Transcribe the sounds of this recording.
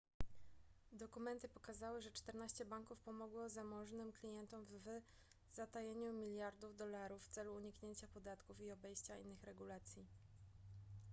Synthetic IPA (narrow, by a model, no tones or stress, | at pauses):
d̪ɔkumɛnt̪ɘpɔkazawɘʐɛt͡ʂt̪ɛɾnaɕt͡ɕɛbaŋkufpɔmɔɡwɔzamɔʐnɘmklʲijɛnt̪ɔmvɘ | z̥at̪ajeɲumʲilʲjaɾd̪uvd̪ɔlaɾufːt̪sɛluːɲikɲeɲt͡ɕapɔd̪at̪kufiɔbɛjɕt͡ɕaḭnːɘxɾɛɡulat̪sʲji